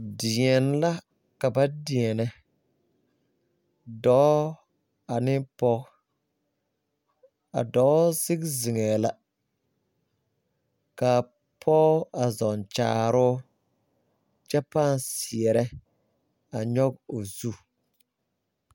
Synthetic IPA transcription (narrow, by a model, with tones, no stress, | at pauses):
dɪ˨ɛ˨n˦la˦ | ka˨ba˦dɪ˨ɛ˨nɛ˨ | dɔ˨˦ | a˨nɪ˦pɔ˦ | a̰˨dɔː˨˦sɪ˦ɡzɪ˨ŋɛː˨la˦ | ka˨ | pʰɔ˦a˨zɔ˨nt͡ʃa̰ː˨ɾʊː˦ | t͡ʃɛ˦paː˦˨nsɪ˨ɛ˨ɾɛ˦ | a˨ɲɔ˦ɡo˨zu˦˨